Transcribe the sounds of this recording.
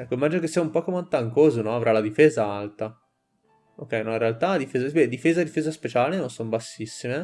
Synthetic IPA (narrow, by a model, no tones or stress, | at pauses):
ɛkːomimad͡ʒinokesːiaumpɔkːomeant̪aŋkoːzonɔavɾalad̪ifeːzaalt̪a | okːɛjnɔiɾealt̪ad̪ifeːzabed̪ifeːzad̪ifeːzaspet͡ʃaːlenonsombasːisːime